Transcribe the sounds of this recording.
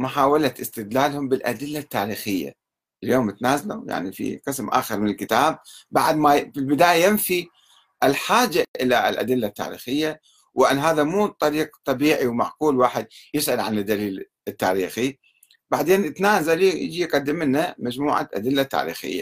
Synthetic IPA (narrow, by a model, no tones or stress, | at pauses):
mʊħaːwalat̪ɪst̪ɪd̪laːlhʊmbɪlʔa̰d̪ɪlːat̪ːaːɾiːxɪjːa̰ | ʔɪljoːmɪt̪naːzaluja̰ʕnḭfḭqɨsmʔa̰ːxɑɾˤmɪnɪlkɪt̪aːb̚ːaʕd̪mafilbɪd̪aːjajɪnfi | ʔɪlħaːd͡ʒaʔɪlalʔa̰d̪ɪlːat̪ːa̰ːɾḭːxɪjːa | wʔɪnːɦaːðamuːt̪ˤːɑɾiːq̚t̪ˤɑbiːʕiwmaʕquːlwaːħɪd̪jɪsʕalʕanɪd̪ːaliːl | ɪt̪ːa̰ːɾiːxi | baʕd̪eːnɪt̪naːzaljɪ̰d͡ʒijqad̪ːɪmɪnːamad͡ʒmuːʕa̰ʔa̰d̪ɪlːat̪ːa̰ːɾḭːxɪ̰jːa̰